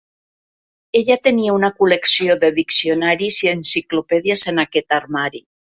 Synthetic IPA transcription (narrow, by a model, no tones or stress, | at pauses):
eʎat̪eniaunakuleksioðeðiksionaɾisiensiklopeðiasenaket̪aɾmaɾi